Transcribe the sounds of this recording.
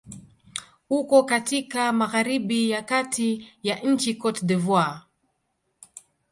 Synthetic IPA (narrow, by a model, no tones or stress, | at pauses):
hukɔkatikamaɣaɾiɓijakatʰijaʔɲ̩t͡ʃikɔtdɛvwa